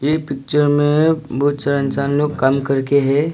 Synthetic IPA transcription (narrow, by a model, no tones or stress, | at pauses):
jepɪk̚t͡ʃəɾmẽbɔt̪t͡ʃəɾə̃nt͡ʃaːnloːɡkəmkɐɾkeɦɛ̃ː